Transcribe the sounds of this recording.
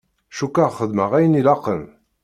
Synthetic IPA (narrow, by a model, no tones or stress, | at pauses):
ʃukːəʁχəðməʁæjənilɑqːəm